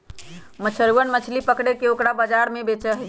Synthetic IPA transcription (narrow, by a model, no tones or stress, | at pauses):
mət͡ʃʰəɾwənmət͡ʃʰlipəkɽekeokɽabəd͡ʒaɾmebet͡ʃəɦ